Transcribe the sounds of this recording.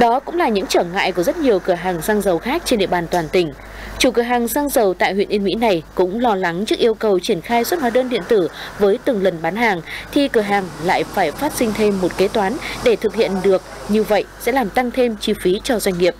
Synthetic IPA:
ɗɔ˨˦kʊ̰˧˥ŋ͡mlaː˨˩ɲɨ̰˧˥ŋt͡ɕəː˧˩ŋa̰ː˧˨jku˧˩əzə˦˥t̚ɲi˨˩əwkɨ˧˩əɦaː˨˩ŋsaː˧ŋzə˨˩wxaː˦˥k̚t͡ɕe˧nɗḭ˧əɓaː˨˩nt̪waː˨˩nt̪ï˧˩ŋ̟ | t͡ɕu˧˩kɨ˧˩əɦaː˨˩ŋsaː˧ŋzə˨˩wt̪a̰ː˧˨jhwḭ˧˨ənʔi˧nmḭ˧˥na˨˩jkʊ̰˧˥ŋ͡mlɔ˧la˨˦ŋt͡ɕɨ˦˥k̚ʔi˧əwkə˨˩wt͡ɕi˧˩ənxaː˧jswə˦˥t̚haː˨˦ɗəː˧nɗḭ˧˨ənt̪ɨ˧˩vəː˨˦jt̪ɨ˨˩ŋlə˨˩nɓaː˨˦nɦaː˨˩ŋt̪ʰi˨˩kɨ˧˩əɦaː˨˩ŋla̰ː˧˨jfaː˧˩jfaː˦˥t̚sï˧ŋ̟t̪ʰe˧mːo˨˩t̚ke˨˦t̪waː˨˦nɗe˧˩t̪ʰɨ˨˩k̚hḭ˧˨ənɗɨ˨˩ək̚ɲɨ˧wvə̰˧˨jsɛ̰˧˥laː˨˩mt̪a˧ŋt̪ʰe˧mt͡ɕi˧fi˨˦t͡ɕɔ˧zwa˧jŋ̟ŋi˨˩əp̚

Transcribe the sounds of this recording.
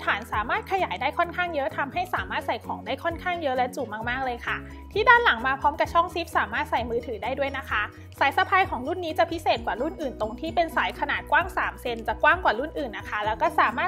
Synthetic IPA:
t̪ʰaː˩˦nsaː˩˦maː˥˩t̪̚kʰa˧jaː˩˦jdaː˥˩jkʰɔ˥˩nkʰaː˥˩ŋjɤ˦˥t̪ʰa˧mha˥˩jsaː˩˦maː˥˩t̪̚sa˨˩jkʰɔː˩˦ŋdaː˥˩jkʰɔ˥˩nkʰaː˥˩ŋjɤ˦˥ʔlɛː˦˥t͡ɕu˨˩maː˧˩k̚maː˥˩k̚lɤː˧jkʰa˥˩ | t̪ʰiː˥˩daː˥˩nla˩˦ŋmaː˧pʰɔː˦˥mka˨˩t͡ɕʰɔ˥˩ŋsi˦˥p̚saː˨˩˦maː˥˩t̪̚sa˨˩jmɯː˧t̪ʰɯː˩˦daː˥˩jdu˥˩əjna˦˥kʰa˦˥ | saː˩˦jsa˧pʰaː˧jkʰɔː˨˩˦ŋɾu˥˩nːiː˦˥t͡ɕa˨˩pʰi˦˥seː˨˩t̪̚kwaː˨˩lu˥˩nʔɯː˨˩nt̪o˧ŋt̪ʰiː˥˩pe˧nsaː˩˦jkʰa˧naː˨˩t̪̚kwaː˥˩ŋsaː˩˦mse˧nt͡ɕa˨˩kwaː˥˩ŋkwaː˨˩lu˥˩nʔɯː˨˩nːa˦˥kʰa˦˥lɛː˦˥wkɔː˥˩saː˩˦maː˥˩

